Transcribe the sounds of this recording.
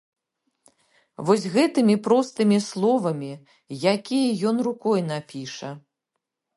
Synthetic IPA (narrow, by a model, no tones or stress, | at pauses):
vɔzʲɣɛt̪ɨmʲipɾɔst̪ɨmʲislˠɔvɐmʲi | jakʲijɐjɔnrukɔjnapʲiʂɐ